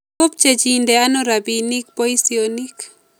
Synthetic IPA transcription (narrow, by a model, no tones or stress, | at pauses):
ʊp̚t͡ʃed͡ʒindɛanoɾabinik̚poisionik